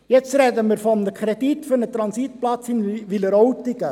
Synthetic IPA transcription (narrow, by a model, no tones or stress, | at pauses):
jɛt͡sɾɛd̪əmɪɾfɔndəkʰɾɛdit̪føɾnət̪ɾɑnsit̪plɑt͡shinʋiləɾɔwtɪɡə